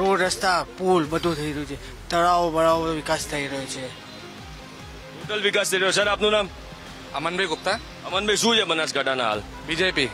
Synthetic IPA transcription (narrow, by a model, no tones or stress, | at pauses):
ɾoɽɾəst̪apulbəd̪ʱũt̪ʰəiɾəɦũt͡ʃʰe | t̪əɽaʋobəɭaʋoʋɪkast̪ʰəiɾɐɦot͡ʃʰe | uʈəlʋɪkaːst̪ʰəiɾəɦosəɾaːpnunaːm | ɐmənbʱɐjɡʊp̚t̪a | ɐmənbʱəjsuːd͡ʒemənasɡaʈanaɦa̰ːl | bid͡ʒepi